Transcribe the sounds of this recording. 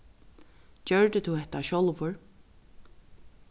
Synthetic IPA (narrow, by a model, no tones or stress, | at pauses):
cœɹd̪ət̪ʰuhɛht̪aʃɔlvʊɹ